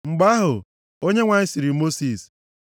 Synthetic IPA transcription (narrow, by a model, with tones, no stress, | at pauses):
ŋ͡m̩˨ɡ͡ba˦ɦʊ˨ | o˦ɲe˦ŋʷa˨ɪ˦si˨ɾi˨mo˦si˨s